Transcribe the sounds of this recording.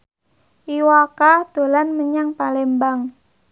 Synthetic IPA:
ʔiwakad̪̥o̤lanməɲaŋpalɛmbaŋ

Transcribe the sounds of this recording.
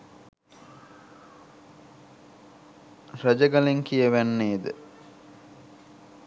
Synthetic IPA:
rɐd͡ʒəɡɐleŋkijəʋænːeːd̪ə

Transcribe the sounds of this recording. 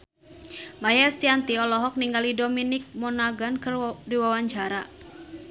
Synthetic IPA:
majast̪iant̪iɔlɔɦɔk̚niŋɡalidominɪk̚mɔnaɡankɨrdiwawaɲd͡ʒaɾa

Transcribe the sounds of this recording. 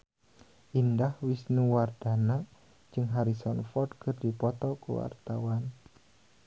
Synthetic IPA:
ʔindahwisnuward̥anḁ | d͡ʒɨŋɦaɾisɔnfɔrdkɨrdipɔt̪ɔkṵwa̰rt̪awan

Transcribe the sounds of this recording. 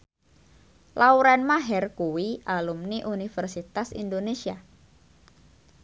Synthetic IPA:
lʔauɾanmaɦɛrkuwiʔalumniʔunifərsit̪asḭndonesia

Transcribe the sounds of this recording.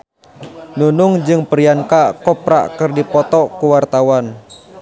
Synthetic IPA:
nunʊŋd͡ʒɨŋpəɾiankakɔpɾa̰ʔkɨrdipɔt̪ɔkuwart̪awan

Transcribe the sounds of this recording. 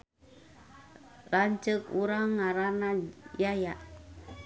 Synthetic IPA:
raɲt͡ʃəkuɾaŋːaɾanajajaʔ

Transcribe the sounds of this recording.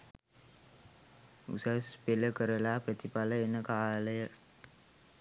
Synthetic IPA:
ṵsaspeləkəɾəlaːprət̪ipaləenːəkaːləjə

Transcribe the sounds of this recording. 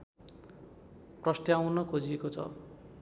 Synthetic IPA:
prʌsʈ̪jawnʌkʰod͡ziekot͡sʰʌ̰

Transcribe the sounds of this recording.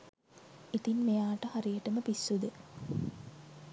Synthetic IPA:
it̪inmejaːʈəhaɾijəʈəməpisːud̪ə

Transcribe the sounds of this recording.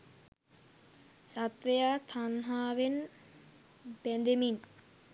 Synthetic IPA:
sat̪ʋejaːt̪ʰanɦaːʋen | bɛnd̪emin

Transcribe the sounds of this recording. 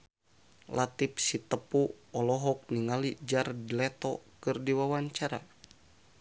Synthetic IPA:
lat̪ip̚sit̪əpuɔlɔɦɔk̚niŋalid͡ʒardilɛt̪ɔkɨrdiwawaɲt͡ʃaɾa̰

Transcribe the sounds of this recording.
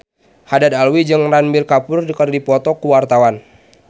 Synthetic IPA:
hadad̪alwid͡ʒɨŋranbirkapʊrdəkərdipɔt̪ɔkuwart̪awan

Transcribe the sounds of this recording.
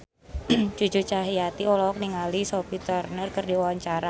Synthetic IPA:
t͡ʃut͡ʃut͡ʃaɦiat̪iɔlɔɔk̚niŋalisɔpit̪ərnərkərdiwawaɲt͡ʃaɾa

